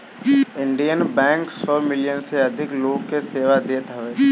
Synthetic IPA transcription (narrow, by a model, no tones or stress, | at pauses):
ɪ̃ɳɖijənbɛ̃ːŋksɔːmɪlijənseɐd̪ʱɪkloːɡkːeseːʋad̪eːt̪ɦɐʋeː